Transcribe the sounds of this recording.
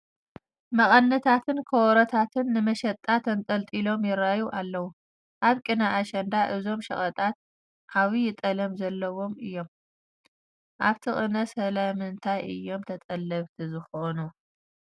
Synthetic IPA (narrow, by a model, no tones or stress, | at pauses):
mɐχʼɐnːɐt̪ʰat̪ʰɨnkʰɐwɔɾɐt̪ʰat̪ʰɨnːɨmɐʃɐt̪ʼːat̪ʰɐnt̪ʼɐlt̪ʼilo̞mjɪɾajuʔalːɐwu | ʔaβkʼɨnaʔːʃɐnd̪aʔɨzo̞mʃɐχʼɐt̪ʼat̪̚ | kʰaβijɪt̪ʼɐlɐmzɐlːɐwo̞mɨjːo̞m | ʔaβt̪ʰɨχʼɨnɐsɐlamɨnt̪ʰajʔɨ̰jːo̞mt̪ʰɐt̪ʼɐlːɐβt̪ʰizɨxonu